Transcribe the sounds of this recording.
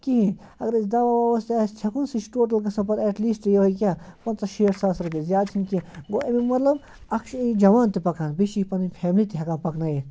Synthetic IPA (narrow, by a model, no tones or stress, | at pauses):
kiɦĩ | ɐɡɐɾisd̪ɐʋaɐʋɐst̪ast͡ʃʰɐkunsit͡ʃʰʈoːʈɐlɡɐsɐ̃pɐɾɛːʈliːsʈjɐʋɐjkʲjãːpɐnt͡sɐʃeːʈʰsaːsɾup̬ʲizjaːd̪̚t͡ʃʰinkĩɡoːʔemimɐt̪lɐb | ɐkʃid͡ʒɐʋaːnt̪ipɐkʰaːnbiʃipɐnipʰɛːmlit̪iɦɐkãːpɐknaje